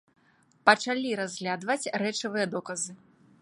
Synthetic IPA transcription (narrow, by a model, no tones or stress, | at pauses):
pɐt͡ʂalʲiɾazʲɣlʲad̪vɐt͡sʲrɛt͡ʂɐvɨjɐd̪ɔkɐzɨ